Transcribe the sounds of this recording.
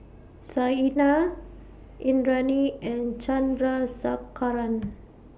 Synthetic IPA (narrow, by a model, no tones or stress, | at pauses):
saina | ʔindɾaniɛ̃nt͡ʃandɾasakaɾan